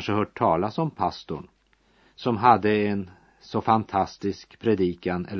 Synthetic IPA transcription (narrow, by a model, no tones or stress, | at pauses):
ʂəhœːʈʰːɑːlasɔmpʰast̪ʊ̰ɳ | sɔmɦad̪ːəɛn | sɔfant̪ʰast̪ɪskpʰɾɛd̪iːkanɛ̰lː